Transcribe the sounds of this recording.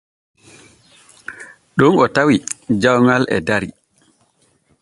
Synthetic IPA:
ɗunɔtawid͡ʒawŋalɛ̰daɾi

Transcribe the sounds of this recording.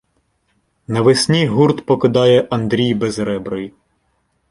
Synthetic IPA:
nɐʋɪsʲnʲijɦurt̪pɔkɪd̪ɑjɛʔɐnd̪ɾʲijbezɾɛbɾɔj

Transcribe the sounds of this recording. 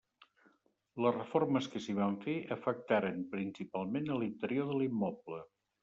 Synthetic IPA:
ləzrəforməskəsiβ̞aɱfeʔəfək̚t̪aɾəmpɾinsipalˠmenəlint̪əɾioðəlimːɔplə

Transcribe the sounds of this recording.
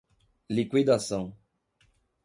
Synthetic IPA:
likwid̪asɐ̃w̃

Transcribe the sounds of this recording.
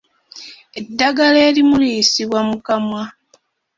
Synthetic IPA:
e̞dːaɡale̞ːlimulisiβwamukamwa

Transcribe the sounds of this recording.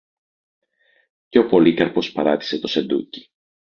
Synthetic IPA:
ceopo̞likɐɾpo̞spɐɾɐt̪i̥se̞t̪o̞se̞nd̪ṵci̥

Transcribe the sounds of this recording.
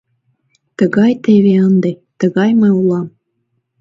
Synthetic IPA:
t̪ə̆ɣɑjt̪eβʲeənd̪ĕt̪ə̆ɣɑjmɤulˠɑm

